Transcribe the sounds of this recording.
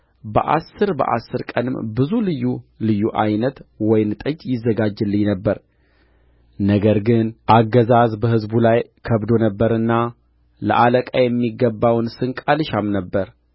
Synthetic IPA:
bə̰ʔasːɨɾbə̰ʔa̰sːɨɾkʼənɨmbɨzulɨjːulɨjːuʔajnət̪wɔjɪnt̪ʼɨd͡ʒjɪzːəɡad͡ʒɨlːɨɲnəbːəɾ | nəɡəɾɡɨnʔaɡːəzazbəhɨzbulajkʰəβd̪o̞nəbːəɾɨnːa | lə̰ʔaləkʼajɛmːiɡːəbːawnsɨŋkʼalɨʃamnəbːəɾ

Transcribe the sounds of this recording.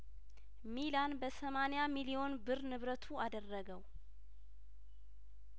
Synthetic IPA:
milanbəsəmanejamilijo̞nbɨɾnɨβɾət̪ʰuad̪ərːəɡəw

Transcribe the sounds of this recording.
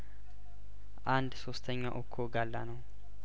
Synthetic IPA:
ʔand̪sost̪ʰɐɲːaʔɔkʰːoɡalːanəw

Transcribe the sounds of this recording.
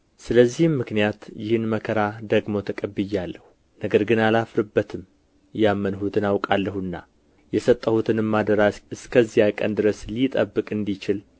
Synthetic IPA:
sɨləzːihɨmːɨknijat̪jɪhɨnməkʰəɾad̪əɡmo̞t̪ʰəkʼəbːɨjːalːəhu | nəɡəɾɡɨnalafɾɨbːət̪ʰɨm | jamːənhut̪ʰɨnawkʼalːəhɨnːa̰ | jɛsət̪ʼːəhut̪ʰɨnɨmːad̪əɾasɨskʰəzːihakʼə̰nd̪ɨɾəslit̪ʼəbːɨkʼɨnd̪it͡ʃɪl

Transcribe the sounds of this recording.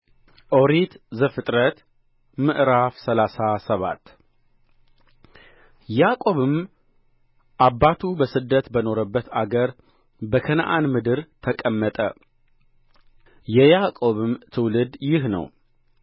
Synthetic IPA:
ʔo̞ɾit̪zəfɨt̪ʼɾət̪ | mɨʔɾafsəlasasəβa̰t̪ː | jakʼo̞βɨm | ʔabːat̪ʰubəsɨd̪ːət̪bəno̞ɾəbːət̪aɡəɾ | bəkʰənʔanmɨd̪ɨɾt̪ʰəkʼəmːət̪ʼə̰ | jɛjakʼo̞βɨmt̪ʰɨwlɨd̪jɪhnə̰w

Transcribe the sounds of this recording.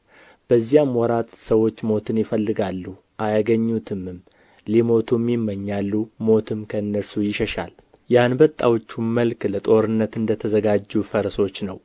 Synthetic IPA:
b̥əzːijamwɔɾat̪səwo̞t͡ʃːmo̞t̪ʰɨnjɪfəlːɨɡalːu | ʔajaɡəɲːut̪ʰɨmɨm | limo̞t̪ʰumːimːəɲːalːumo̞t̪ʰɨmkʰəɨnːəɾsujɪʃəʃa̰l | janbət̪ʼːawot͡ʃːuməlklət̪ʼo̞ɾɨnːət̪ɨnd̪ət̪ʰəzəɡad͡ʒːufəɾso̞t͡ʃːnəw

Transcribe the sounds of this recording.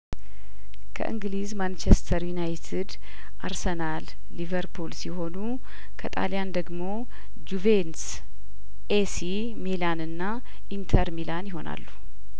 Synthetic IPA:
kʰə̰ʔɨ̰ŋɡlizmant͡ʃɛst̪ʰəɾjunajt̪ʰid̪ | ʔaɾsənalː | ivəɾpʰulsiho̞nu | kʰət̪ʼa̰ljand̪əɡmo̞ | d͡ʒuvens | ʔesi | melanɨnːa | ʔint̪ʰəɾmilanjɪɦo̞na̰lːu̥

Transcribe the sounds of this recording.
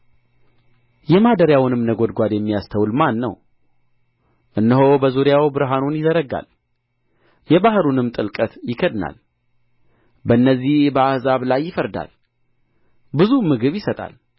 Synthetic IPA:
jɛmad̪əɾjawnɨmnəɡo̞d̪ɡʷad̪jɛmːijast̪ʰəwlmanːə̰w | ʔɨnːəɦobəzuɾjawbɨɾɦanonjɪzəɾəɡa̰l | jɛbahɾunɨmt̪ʼɨlkʼət̪jɪkʰəd̪na̰l | bənːəzːihbəahzaβlajːɪfəɾd̪a̰l | bɨzumɨɡɨβjɪsət̪ʼa̰l

